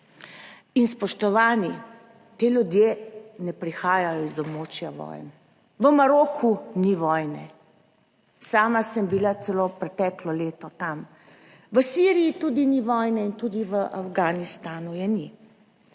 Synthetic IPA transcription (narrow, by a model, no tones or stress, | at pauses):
inspɔʃt̪ɔʋaːni | t̪eːlʲjud̪jeːnɛpɾixaːjajɔizɔbmoːt͡ʃjaʋɔ̰ːjn | ʋəmaɾoːkʰuniʋɔjnɛ̰ | saːmasəmbilat̪ɛloːpɾɛt̪ɛklɔleːt̪ɔt̪am | ʋəsiɾijit̪ud̪iniʋɔːjnɛint̪ud̪iʋəʔafɡanist̪aːnujɛni